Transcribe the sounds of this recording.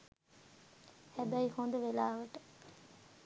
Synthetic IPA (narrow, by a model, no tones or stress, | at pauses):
hæbæjihond̪əʋelaːʋəʈə̥